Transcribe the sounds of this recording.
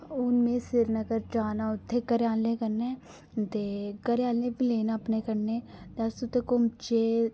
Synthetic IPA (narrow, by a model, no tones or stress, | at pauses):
ʊnmẽːsɪɾnəɡəɾd͡ʒaːnaːʊt̪ʰːeːkəɾjaːnẽːkəɾneː | t̪eːkəɾjaːlẽːpileːnaːpneːkəɾnẽːt̪eəsʊt̪ʰːeːkʊmt͡ʃeː